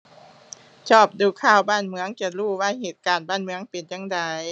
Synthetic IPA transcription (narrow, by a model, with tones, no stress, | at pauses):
t͡ɕʰɔː˥˩p̚duː˧˩kʰaː˧˥˩wbaː˥˨nmɯ˧˥ə˨ŋt͡ɕa˧˩luː˧˩wa˧˥˨jheː˨˩t̪̚kaː˨˩nbaː˥˩˨nmɯ˧˥əŋpe˨nt͡ɕaː˧˥ŋda˨˩j